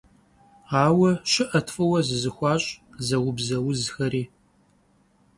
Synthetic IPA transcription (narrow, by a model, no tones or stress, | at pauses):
ɑːwɐɕɪʔɐtʰfɐwɐzɨzɨxʷɑːɕʼzɐwʊbzɐwʊzxɐɾiː